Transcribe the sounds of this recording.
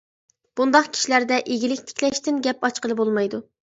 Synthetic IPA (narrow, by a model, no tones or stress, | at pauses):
b̥und̪ɑqkʲʰi̥ʃilæɾd̪ɛʔeɡʲilɪkʲt̪ʰɪ̥kʲʰlɛʃt̪ɪnɡʲɛpɑt͡ʃqəlˠɨbolˠmɑjd̪u